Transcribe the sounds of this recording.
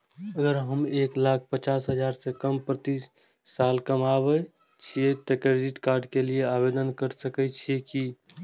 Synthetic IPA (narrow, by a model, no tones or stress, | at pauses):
əɡəɾɦəmeklak̚ʰpət͡ʃasɦəd͡ʒaɾsẽkəmpɾət̪isː | alkəmaβɛ | t͡ʃʰiet̪əkɾed͡ʒiʈkaɾɖkelijeabed̪ənkəɾsəkɛt͡ʃʰieki